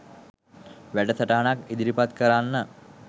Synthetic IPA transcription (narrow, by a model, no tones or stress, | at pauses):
ʋæʈəsəʈəɦanakid̪iɾipat̪kəɾanːə